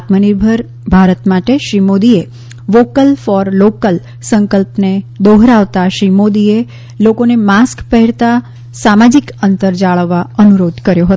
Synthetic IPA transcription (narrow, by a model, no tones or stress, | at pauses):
t̪məniɾbʱəɾ | bʱaɾət̪maʈeʃɾimod̪ie | ʋokəlfɔɾlokəl | səŋkəlpned̪oɦɾaʋt̪aʃɾimod̪ie | lokonemaskpəɦɛɭt̪a | samad͡ʒikənt̪əɾd͡ʒaɭəʋːaənuɾod̪ʱkəɾjoɦə